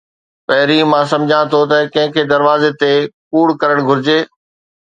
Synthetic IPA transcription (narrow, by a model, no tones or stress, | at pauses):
pɐɦɪɾimãːsɐ̃md͡ʑʱãt̪ʰot̪ɐkɐ̃ɦɪ̃kʰeːd̪ɐɾʋaːzet̪epuːɽkɐɾəɽ̃ɡʱʊɾɪd͡ʑeː